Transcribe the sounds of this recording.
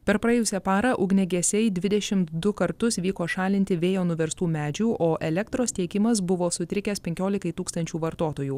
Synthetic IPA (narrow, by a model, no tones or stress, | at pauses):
pʲɛɾpɾɐjɛːjʊsʲɛpɑːɾɐʔʊɡnʲɛɡʲɛsʲɛɪd̪ʲʋʲɪd̪ʲɛʃʲɪmt̪d̪ʊkɐɾt̪ʊsʋʲiːkoːʃɑːlʲɪnʲt̪ʲɪʋʲeːjoːnʊʋʲɛɾst̪uːmʲæːd͡ʒʲuʔoːʔɛlʲɛkt̪ɾoːst̪ʲiɛkʲɪmɐs̬bʊʋoːsʊt̪ʲɾʲɪkʲɛːspʲɛŋʲkʲoːlʲɪkɐɪt̪uːkst̪ɐnʲt͡ʃʲuːʋɐɾt̪oːt̪oːjuː